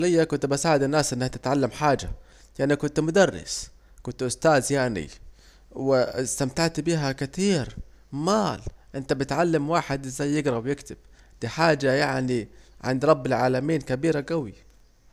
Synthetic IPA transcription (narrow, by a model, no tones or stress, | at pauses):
lɪjːakʊnt̪basaːʕɪd̪ɪnːaːsʔɪnːahat̪ɪt̪ʕalːamħaːd͡ʒa̰ | jaʕnikʊnt̪mʊd̪ɑrˤːɪ̰s | kʊnt̪ʔʊst̪aːzjaʕnḭ | wɪst̪amt̪aʕt̪biːɦakɪt̪iːɾ | maːlʔɪnt̪abɪt̪ʕalːamwaːħɪd̪ʔɪzːajːɪɡɾˤɑbjɪkt̪ɪb̥̚ | d̪̥iːħaːd͡ʒajaʕniʕɪ̰nd̪ɾˤɑbːɪlʕaːlamiːnkabiːɾaɡawi